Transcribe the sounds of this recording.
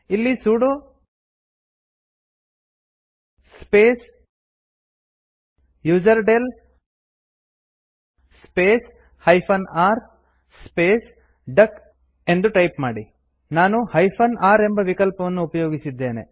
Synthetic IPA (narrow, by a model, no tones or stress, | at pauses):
ilːisuːɽu | speːs | juːd͡ʒɐɾɖel | speːs | hɐjpʰɐnaːɾ | speːs | ɖɐk | e̞nd̪uʈɐjpmaːɽi | naːnuhɐjpʰɐnʔaːɾe̞mbɐʋikɐlpɐʋɐnːuːpɐjoːɡisid̪ːe̞ːnḛ